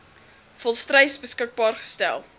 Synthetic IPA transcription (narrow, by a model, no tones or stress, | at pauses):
fɔlˠstrɛjsbəskək̚bɑːrχə̥stæ̰lˠ